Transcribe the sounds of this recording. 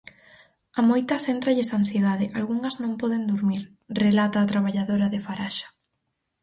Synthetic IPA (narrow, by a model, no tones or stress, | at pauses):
amojt̪ɐsent̪ɾaʎesansjeðaðɪʔalɣuŋɐznõŋpɔðend̪uɾmiɾ | relat̪aːt̪ɾaβ̞aʎaðoɾaðefaɾaʃḁ